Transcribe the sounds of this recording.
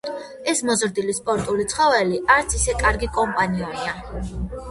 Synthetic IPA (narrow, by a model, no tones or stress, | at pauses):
ɛsmɔzɾd̪ilispʼɔɾt̪ʼulit̪sʰχɔvɛliaɾt̪sʰisɛkʼaɾɡikʼɔmpʼaniɔnia